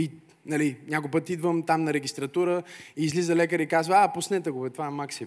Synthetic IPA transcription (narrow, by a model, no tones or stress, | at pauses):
i | nɐliɲʲakopɤt̪id̪vəmt̪amnɐɾɛɡʲist̪ɾɐt̪uɾəːzlizəlɛkəɾikazvəapʊsnɛt̪ɛɡʊvɛt̪vaɛmaksi